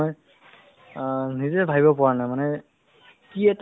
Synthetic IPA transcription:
j | nizɛbʱaɡibɔpʊanajmanɛ | kiɛt

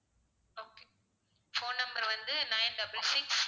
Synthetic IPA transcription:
oːke̥ | foːnnɐmbɐɾʋɐnd̪ɯnɐɪnɖɐblsɪks

